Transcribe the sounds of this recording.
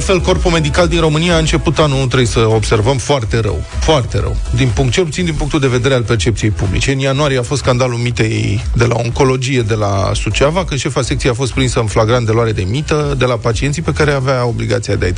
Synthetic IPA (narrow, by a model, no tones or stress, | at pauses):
fe̞lko̞rpome̞d̪ikald̪inro̞mɨnijaːɨnt͡ʃe̞put̪anunut̪ɾejsəobse̞rvəmfoart̪e̞ɾə̰wfoart̪e̞ɾə̰wd̪inpuŋkt̪̚t͡ʃe̞lput̪sind̪inpuŋkt̪uld̪e̞ved̪e̞ɾealpert͡ʃept̪sije̞jpublḭt͡ʃe̞ɨnjanoaɾijeafost̪skand̪alulmit̪e̞d̪e̞la̰o̞ŋko̞lo̞d͡ʒije̞d̪e̞la̰sut͡ʃavakɨnʃe̞fasek̚t̪sijeafost̪pɾinsəɨnflaɡɾant̪d̪e̞loaɾe̞d̪e̞mit̪əd̪e̞lapat͡ʃie̞nsipe̞kaɾeaveao̞bliɡa̰t̪siad̪eait̪